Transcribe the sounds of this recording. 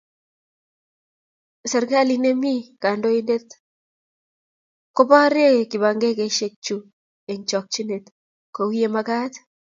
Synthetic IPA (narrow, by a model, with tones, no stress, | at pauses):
sɛ˨ɾɡa˦li˨ne˦mi˦ka˨ndo˦i˦nde˦t̪ | ko˦bɔ˦ɾe˦kɪ˨ba˨ŋɡe˦ke˦ʃe˨k̚t͡ʃu˨ | e˨ɲt͡ʃɔ˨k̚t͡ʃi˦ne˨t̪ | ko˨wi˦je˦ma˦ka˦t̪